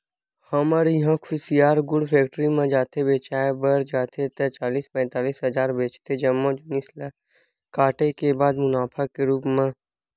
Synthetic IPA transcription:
həməɾjɐɦãkʰʊsijaːɾɡʊɽpʰeːkʈɾimẽd͡ʒaːt̪ʰebeːt͡ʃaːebəɾd͡ʒaːt̪ʰet̪ɛt͡ʃaːliːspɛ̃ːt̪aːliːsɦəd͡ʒaːɾbeːt͡ʃt̪ʰed͡ʒɐmːõd͡ʒnɪsla | kaːʈekebaːd̪mʊnaːpʰakeɾuːpmẽ

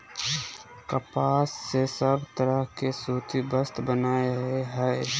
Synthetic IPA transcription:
kəpaːsːesəbt̪əɾəɦkesuːt̪ʰibəst̪bənaːeeɦɛe

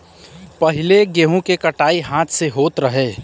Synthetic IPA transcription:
pɐɦɪleɡeːɦũkekɐʈaːiɦãːt̪ʰseɦoːt̪ɾɐɦeː

